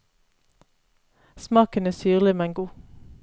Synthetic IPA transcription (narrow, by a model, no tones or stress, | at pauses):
smɑːkənæːsyːʁlɪmɛŋɡuː